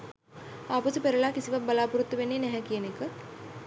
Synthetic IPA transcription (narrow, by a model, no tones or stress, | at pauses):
aːpusupeɾɐlaːkisiʋabɐlaːpuɾut̪ːəʋenːeːnɛɦɛkijənekə